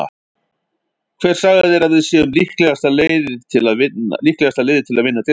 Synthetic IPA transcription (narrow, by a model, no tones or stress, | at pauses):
kʰv̥ɛːɾ̥saːɣaðɛɾaðvɪsjɛʏmlihklɛɣast̪aleːjðɪ̥t̪ʰɪlaðvɪnːa̰lihklɛɣast̪aleːjðɪ̥t̪ʰɪlaðvɪnːat̪e